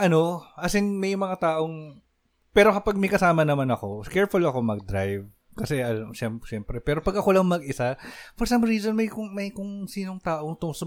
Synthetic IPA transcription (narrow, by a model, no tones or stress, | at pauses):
ʔɐno̞ʔɐsɪnmɐjmɐŋat̪aːʔo̞ŋ | pɛːɾokɐpaɡ̚mɐjkɐsaːmɐnɐmanɐko̞skɛɹfʊlɐko̞mɐɡ̚d̪ɾa̰jv | kɐsɛʔɐlɐmʃɛmʃɛmpɾɛpɛːɾo̞pɐɡʔɐko̞lɐŋmɐɡ̚ʔɪsafɔɹsɐmɹiːzonmɐjkʊŋmɐjkʊŋsiːnoŋt̪aːʔoŋt̪ʊso